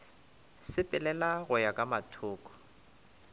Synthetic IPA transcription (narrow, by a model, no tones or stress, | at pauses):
sɪpʼɪlɛlaɣʊjakʼamatʰʊːkʼɔ̥